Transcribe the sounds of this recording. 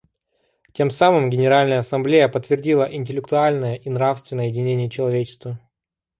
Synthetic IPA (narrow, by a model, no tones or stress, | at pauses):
tʲe̞msamɨmɡʲɪnʲɪɾalʲnəjəɐsɐmblʲejəpət̪ːvʲɪrdʲilˠəʔɪnʲtʲɪlʲɪkt̪ʊalʲnəjəʔinɾafst̪vʲɪnːəjəjɪdʲɪnʲenʲɪjət͡ɕɪlˠɐvʲet͡ɕɪ̥st̪və